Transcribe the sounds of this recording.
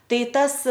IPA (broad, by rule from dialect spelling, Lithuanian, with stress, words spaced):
ˈtɐɪ ˈtɐs